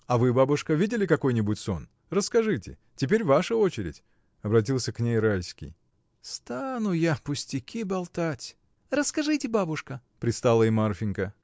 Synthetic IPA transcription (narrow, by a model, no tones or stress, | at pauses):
ɐvɨbabʊʂkəvʲidʲɪlʲɪkɐko̞jnʲɪbʊtʲso̞n | rəskɐʐɨtʲɪ̰ | tʲɪp̬ʲeɾʲvaʂəot͡ɕɪɾʲɪ̰tʲ | ɐbɾɐt̬ʲilˠsʲəknʲejɾajsʲkʲḭj | st̪anʊjapʊsʲtʲɪkʲibɐlˠt̪atʲ | rəskɐʐɨtʲɪbabʊʂkəpɾʲɪt̪st̪alˠəimarfʲɪnʲkə